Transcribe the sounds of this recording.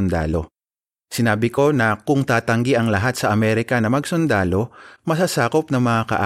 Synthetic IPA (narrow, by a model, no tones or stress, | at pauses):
nd̪a̰ːlo̞̰ | sɪnaːbɪko̞nɐkʊŋt̪aːt̪ɐŋɡiʔɐŋlɐɦat̪̚sɐʔɐmɛːɾɪkɐnɐmɐɡsʊnd̪aːlo̞mɐsasaːko̞p̚nɐŋmɐŋakɐ̰ʔa